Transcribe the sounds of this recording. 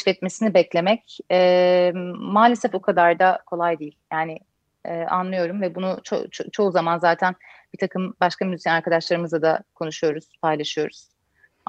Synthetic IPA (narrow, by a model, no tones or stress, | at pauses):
fɛt̪mesinibɛclʲe̞mɛcɛ | maːlʲe̞sɛfokʰad̪aɾd̪akʰo̞lˠajd̪iːilʲjaːnɪ | ɛːʔa̰nlˠɯjo̞ɾumvɛbunut͡ʃʰo̰t͡ʃt͡ʃʰo̞uzamanzaːt̪ʰæn | b̥it̪ʰakʰɯmbaʃkʰamyzit̪janaɾkʰad̪aʃlˠaɾɯmɯzad̪akʰo̞nuʃujo̞ɾuz̥pʰajlˠaʃɯjo̞ɾuz̥